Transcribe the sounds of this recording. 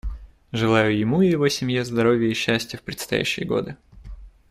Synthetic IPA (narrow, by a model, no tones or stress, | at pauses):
ʐɨlˠajʊjɪmuɪjɪvo̞sʲɪmjezd̪ɐɾo̞vʲjəiɕːæsʲtʲɪjəfpɾʲɪt̪st̪ɐ̰jæ̰ɕːɪ̰jəɡo̞̰d̪ɨ